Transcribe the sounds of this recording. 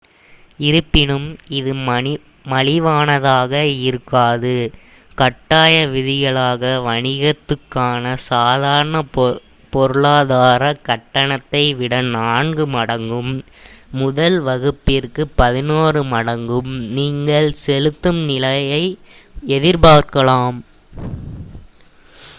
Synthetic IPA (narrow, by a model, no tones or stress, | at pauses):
ɪɾɯpːɪnɯmɪðɯ | mɐlɪʋaːnɐðaːɣɐɪɾɯkːaːðɯ | kɐʈːaːjɐʋɪðɪɣɐɭaːɣɐʋɐɳɪɣɐt̪ːɯkːaːnɐsaːðaːɾɐɳɐ | pɔɾɯɭaːðaːɾɐkɐʈːɐɳɐt̪ːɐɪʋɪɽɐnaːɳɡɯmɐɽɐŋɡɯmː | ʊðɐlʋɐɣɯpːɪrkɯpɐðɪnoːrɯmɐɽɐŋɡɯmniːŋɡɐɭsɛlɯt̪ːɯmnɪlɐjɐɪɛðɪɾpaːɾkɐɭaːm